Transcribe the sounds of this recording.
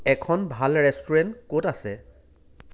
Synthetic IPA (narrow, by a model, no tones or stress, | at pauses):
ɛkʰɔnbʱalɹɛstɔɹɛntkotasɛ